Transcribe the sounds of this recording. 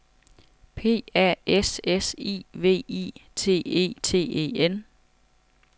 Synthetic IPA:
pʰe̝̰ːæɐ̰esesḭːʋe̝̰ːḭːt͡sʰe̝̰ːe̝̰ːt͡sʰe̝̰ːe̝̰ːen

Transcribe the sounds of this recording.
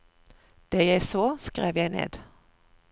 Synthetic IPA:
d̪̥eːjæɪsoːskʁeːʋjæɪnḛːd̪

